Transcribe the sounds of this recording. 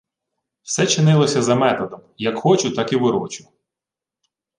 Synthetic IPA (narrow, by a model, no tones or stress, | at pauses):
w̥sɛt͡ʃɪnɪlˠɔsʲɐzɐmɛt̪ɔd̪ɔmjɐkxɔt͡ʃʊt̪ɑkiʋɪɾɔ̰t͡ʃʊ̥